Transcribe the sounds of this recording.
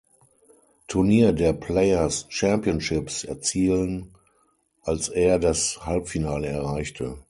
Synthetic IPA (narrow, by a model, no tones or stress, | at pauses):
tʰʊɐniːɐdeːɐpʰlɛɪɐst͡ʃɛmpjənʃɪpsɛɐt͡siːlən | ʔalseːɐdashalpfinaːləɛɐʁaɪçtʰə̰